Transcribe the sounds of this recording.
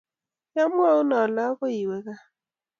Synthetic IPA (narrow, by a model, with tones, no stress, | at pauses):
ja˦mʊ˦ɔ˦ʊ˦nɔ˨la˦ɔ˦kɔ˦i˨we˨ka˦